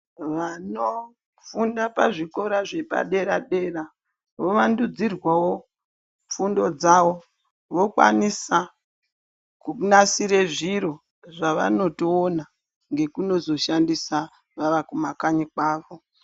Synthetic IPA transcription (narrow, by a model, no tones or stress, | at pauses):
ʋano | fundapaʐiko̞ɾaʐe̞pa̰ɗe̞ɾaɗe̞ːra | ʋoʋandud͡zirwawo̞ | fundo̞d͡zaʋo | ʋo̞kwa̰nisa | kunasiɾeʐiɾo̞ | ʐaʋa̰no̞toːna | ŋɡe̞kuno̞zo̞ʃandisa | ʋaʋakumakaɲikwaːʋo̞